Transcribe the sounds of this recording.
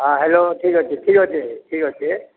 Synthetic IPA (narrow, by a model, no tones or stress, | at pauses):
ɦaɦeloʈʰiːkɦot͡ʃʰeʈʰiːkɦot͡ʃʰeʈʰiːkɦot͡ʃʰe